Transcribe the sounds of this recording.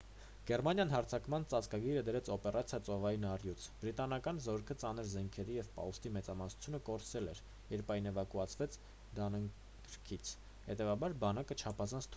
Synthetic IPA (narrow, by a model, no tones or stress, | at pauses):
ɡ̥ɛɾmɑnjɑnɦɑɾt͡sʰɑkmɑnt͡sɑt͡skɑɡiɾəd̪əɾɛt͡sʰɔpɛrɑt͡sʰjɑt͡sɔvɑjinɑrjut͡sʰb̥ɾit̪ɑnɑkɑnzɔɾkʰət͡sɑnəɾzɛŋkʰɛɾijɛvpɑ̰ust̪imɛt͡sɑmɑsu̥t͡sʰjunəkɔɾsɛlɛɾ | jɛɾpʰɑjnɛvɑkuɑt͡sʰvɛt͡sʰ | d̪ɑnəŋ | kɾkʰit͡sʰ | hɛt̪ɛvɑbɑɾbɑnɑkət͡ʃʰɑpʰɑzɑnt͡sʰt̪ʰ